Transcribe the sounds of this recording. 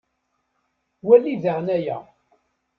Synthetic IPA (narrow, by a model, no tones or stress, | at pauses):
wælːiðəʁnæjæ̰